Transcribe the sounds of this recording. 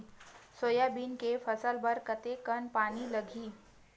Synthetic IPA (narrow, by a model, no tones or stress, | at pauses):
sojabinkefəsəlbəɾkət̪ekənpaniləɡʱiː